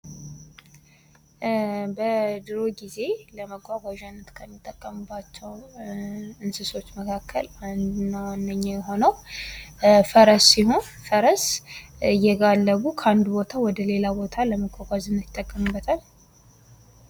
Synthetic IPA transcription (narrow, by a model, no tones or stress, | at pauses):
bəd̪ɨɾo̞ɡize̞ləməɡʷaɡʷaʒanːət̪kʰəmːɨt̪ʼːəkʼːəmɨbːat͡ʃːɛw | ɨnsɨso̞t͡ʃːməkʰakʰːəland̪nːand̪əɲːajɛɦo̞nəw | fəɾəsːiho̞n | fəɾəsɨjːɛɡalːəβukʰəand̪ubo̞t̪ʰawɔd̪əle̞labo̞t̪ʰaləməɡʷaɡʷaʒɨnːɨt̪ʼːəkʼːəmɨbːət̪ʰal